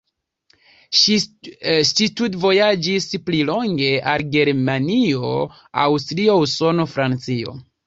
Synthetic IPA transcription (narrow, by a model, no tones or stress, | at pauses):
stitutvo̞jad͡ʒisplilo̞ŋɡe̞alɡe̞ɾmanio̞ | a̰wstɾio̞uso̞no̞fɾant͡sio̞̰